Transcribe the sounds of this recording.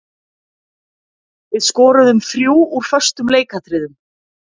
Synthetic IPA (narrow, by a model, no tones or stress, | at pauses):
vɪðskɔːɾaðʏmfɾjuːuɾ̥fœr̥st̪ʏmleːjkaθɾɪːðʏm